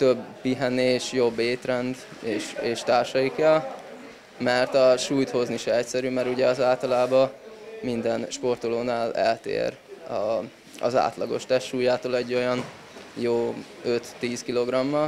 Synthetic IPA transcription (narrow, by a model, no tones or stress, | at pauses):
t̪øbːiɦɛneːʃjo̞bːeːt̪rɛnd̪ | eːʃeːʃt̪aːrʃɒjikɛl | mɛrt̪ɒʃuːjt̪ho̞zniʃɛɛcsɛɾymɛɾuɟɛɒzaːlt̪ɒlaːbɒmind̪ɛnʃpo̞rt̪oloːnaːlɛ̰lt̪ḛːɾ | ɒ | ɒ̰za̰ːt̪lɒɡo̞̰ʃt̪ɛʃʃuːjaːt̪oːlɛɟːo̞jɒn | joː | ø̞t̪ːiːskilo̞ɡrɒmːɒl